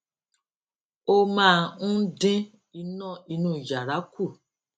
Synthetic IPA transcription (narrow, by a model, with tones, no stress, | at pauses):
o˦mãː˦˨ñ̩˦dẽ˦ | i˧nɔ̃˦˨i˧nũ˦˨d͡ʒa˨ɾa˨˦ku˦˨